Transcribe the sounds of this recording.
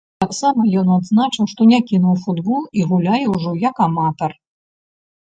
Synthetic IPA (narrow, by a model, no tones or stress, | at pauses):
t̪aksamɐjɔnad̪znat͡ʂɨwʂt̪ɔnʲakʲinuwfud̪bɔlˠiɣulʲajɛwʐɔjɐkamat̪ɐr